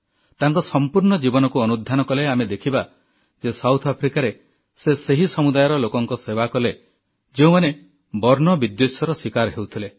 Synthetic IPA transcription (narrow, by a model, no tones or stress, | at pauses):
t̪aŋkɔsɔmpuɾɳɔd͡ʒibɔnɔkuɔnud̪ʱjanɔkɔleamed̪ekʰiba | d͡ʒesawt̪ʰapʰɾikaɾe | seseɦisɔmud̪ajɔɾɔlokɔŋkɔsebakɔle | d͡ʒeũmane | bɔɾnɔbid̪josjɔɾɔsikaɾɦewt̪ʰile